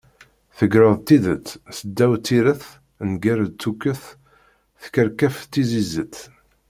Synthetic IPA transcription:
θəɡɾəðˤt̪ːiðət͡sːsəd̪ːæwt͡sːiɾəθ | nɡæɾt͡s̪ːukːəθ | θkəɾkæft̪ːizizət̪ː

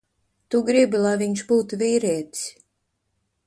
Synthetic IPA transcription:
t̪uɡɾibɨlavʲinʲʃbuːt̪vʲiːɾʲet̪ʲsʲ

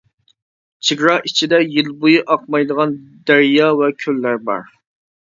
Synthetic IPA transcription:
t͡ʃʰiɡɾɑʔit͡ʃʰid̪ɛjilbujɨʔɑqmɑjd̪əʁɑnd̪æɾjɑːvɛkʲʰølːæɾbɑ̰ɾ

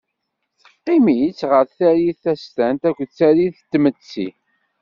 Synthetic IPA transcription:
θə̥qːɪmit͡sːʁəɾθæɾiθæst̪ænt̪ækʷːt͡sːæɾiðt̪ːmət͡sːḭ

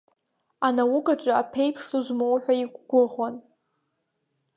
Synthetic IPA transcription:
anawʊkʼat͡ʃʷʼaapʰejpʰʂtuzmowħʷᶣaiɡʷɡʷʊʁwan

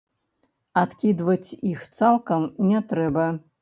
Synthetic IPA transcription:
at̪kʲid̪vɐt͡sʲixt̪salˠkɐmnʲɛt̪ɾɛbɐ

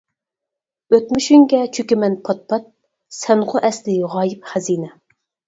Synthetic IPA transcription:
øt̪myʃyŋɡʲɛt͡ʃʰøkʲimɛnpʰɑt̪̚pʰɑt̪̚ | sɛnqʰʊʔɛslɪʁɑːjɪpχæziːnɛ

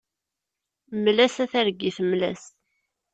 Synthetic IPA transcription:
mlæsæθæɾɡːiθmlæ̰s

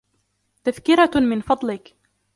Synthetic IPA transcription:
t̪afkɪɾamɪnfɑd̪ˤlɪk

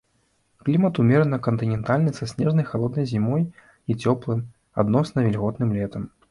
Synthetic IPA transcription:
klʲimɐt̪umʲɛɾɨnɐkɐnt̪ɨnʲɛnt̪alʲnɨsasʲnʲɛʐnɐjxalˠɔd̪nɐjzʲimɔj | it͡sʲɔplˠɨm | a̰d̪nɔsnɐvʲɛlʲɣɔt̪nɨmlʲɛt̪ɐm

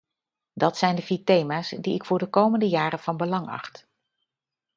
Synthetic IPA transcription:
dɑtsɛjndəvitejmaːsdiɪkfʊːɹdəkowməndəjaːɾənv̥ɑnbəlɑŋɑ̰χt

